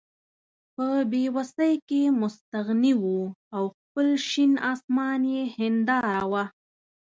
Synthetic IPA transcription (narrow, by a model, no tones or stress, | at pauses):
pəbewasəjkemʊst̪aɣniwuawxpəlʃinɑsmɑnjehɪnd̪ɑɾawa